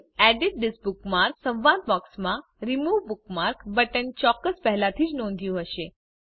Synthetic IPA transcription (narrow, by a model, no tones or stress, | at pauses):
æɖiʈ̚ɖɪsbukmaɾksə̃ʋʋad̪̚bɔksmã | ɾimuʋbuk̚maɾkbəʈənt͡ʃɔkːəspɛɦɛlat̪ʰiːd͡ʒnõnd̪ʱjũɦəʃe